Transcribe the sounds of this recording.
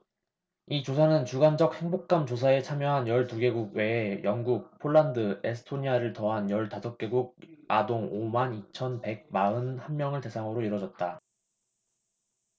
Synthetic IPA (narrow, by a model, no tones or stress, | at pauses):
it͡ɕosʰanɯnt͡ɕuɡand͡ʑʌk̚he̞ŋbok̚k͈amt͡ɕos̬ʰae̞t͡ɕʰamjʌɦanjʌɭtuɡe̞ɡuɡ̚we̞ːjʌŋɡuk̚pʰoɭːandɯe̞sʰɯ̥tʰoɲiaɾɯɭtʌɦanjʌɭtasʰop̚k͈eɡuɡ̚adoŋomanit͡ɕʰʌnpe̞ɡ̚maɯnhanmjʌŋɯɭte̞sʰaŋɯɾoiɾʌd͡ʑʌt̚t͈a